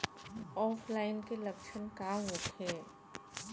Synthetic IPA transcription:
ɔːpʰlaːɪnkelɐkʃənkaɦot̪hɛː

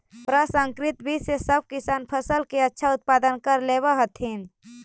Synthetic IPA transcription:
pɾəsə̃ŋkɾɪt̪bʱisesəb̚kɪsaːnpʰəsəlkeətːʃʰaʊt̪̚paːd̪ənkəɾleːbaɦət̪ʰɦin

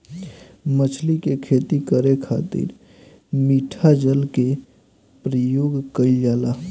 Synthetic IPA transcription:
mət͡ʃʰlikekʰeːt̪ikəɾekʰa̰ːt̪ḭɾ | miːʈʰad͡ʒəlke | pɾəjoːɡkəild͡ʒaːla

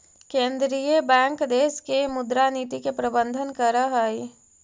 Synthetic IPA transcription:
kẽːnd̪ɾiːjəbɛ̃ːŋkd̪eːskemʊd̪ɾaniːt̪ikepɾəbə̃nd̪ʱənkəɾaɦai

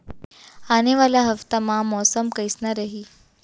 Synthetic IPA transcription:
aneʋaljaɦəft̪amãmɔsəmkəjsnaɾəɦiː

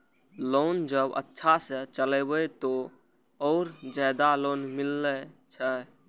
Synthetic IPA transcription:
lond͡ʒəbə̰tːʃʰasət͡ʃəlɛbəjt̪o | ɔːɾd͡ʒajd̪alonmilːət͡ʃʰə

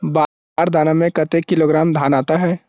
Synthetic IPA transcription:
baː | aːɾd̪ʱaːnamẽkɐt̪ekːɪloːɡɾaːmd̪ʱaːnaːt̪aɦɛː

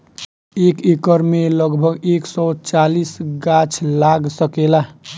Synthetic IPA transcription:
ekekəɾmeləɡbʱəɡeksɔt͡ʃalisɡat͡ʃʰlaɡsəkela

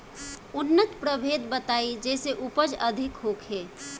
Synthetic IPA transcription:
ʊnːət̪pɾəbʱed̪bət̪aid͡ʒɛːseʔupəd͡ʒəd̪ʱɪkɦoːkɦeː

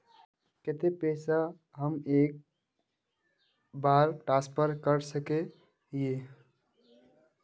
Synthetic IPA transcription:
ket̪epɛːsa | ɦəmeːk̚ | baːɾʈãspʰəɾkəɾsəke | je

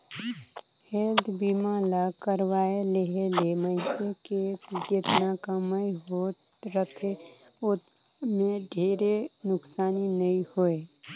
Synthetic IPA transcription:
heːld̪biːmalakəɾwaːeleɦeleməɪseked͡ʒet̪nakəməiɦoːt̪ | ɾət̪ʰe | ʊt̪ | mẽɖʱeːɾenʊksaːninəĩhoe

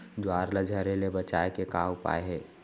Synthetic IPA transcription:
d͡ʒwaːɾləd͡ʒʱəɾelebət͡ʃaːekekaːwʊpa̰ːeɦɛː

